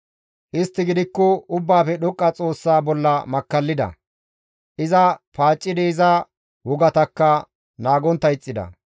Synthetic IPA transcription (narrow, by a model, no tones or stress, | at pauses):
ʔɪst̪ːɪɡɪd̪ɪkːɔʊbːaːfɛɗɔkʼːɐt͡sʼo̞ːsːaːbɔlːɐmɐkːɐlːɪd̪ɐ̰ | ʔɪzɐpaːt͡ʃʼːɪd̪ːzɐ | wɔɡɐt̪ɐkːɐ | naːɡɔnt̪ːɐjɪt͡sʼːɪd̪ɐ̰